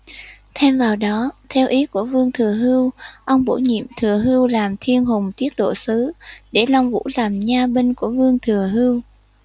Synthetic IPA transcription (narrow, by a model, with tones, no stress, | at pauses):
t̪ʰɛ˧mvaː˨˩wɗɔ˨˦t̪ʰɛ˧wʔi˨˦ku˧˩əvɨ˧əŋt̪ʰɨ˨˩əɦɨ˧wʔə˧wŋ͡mɓo̰˧˩ɲḭ˧˨əmt̪ʰɨ˨˩əɦɨ˧wlaː˨˩mt̪ʰi˧ənɦʊ˨˩ŋ͡mt̪i˦˥ət̚ɗo̰˧˨sɨ˨˦ɗe˧˩la˧wŋ͡mvṵ˧˥laː˨˩mɲaː˧ɓe˧nku˧˩əvɨ˧əŋt̪ʰɨ˨˩əɦɨ˧əw